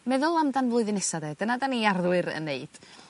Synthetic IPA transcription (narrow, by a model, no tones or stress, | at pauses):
mɛðʊlˠamdanvlˠʊɨðɨnɛsadɛd̥ənadaniarðwɨɾə̰nːeɨd̥